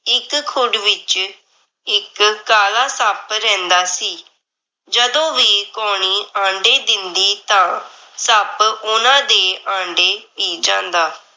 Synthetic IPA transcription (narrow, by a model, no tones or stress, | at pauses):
ɪkʰːʊɖʋɪt͡ʃ | ɪkːaːlaːsəpɾɛ̃ːnd̪aːsiː | d͡ʒəd̪õːʋiːkoːɳ̃iːãːɳɖeːd̪ɪnd̪iːt̪ãː | səpʊnãːd̪eːʔãːɳɖeːpiːd͡ʒãːnd̪aː